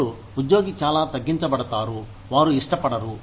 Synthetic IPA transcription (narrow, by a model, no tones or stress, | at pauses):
u | ud̪joːɡit͡ʃaːlaːt̪ɐɡːiɲt͡ʃɐbɐɽɐt̪aːɾu | ʋaːɾuiʂʈɐpɐɽɐɾu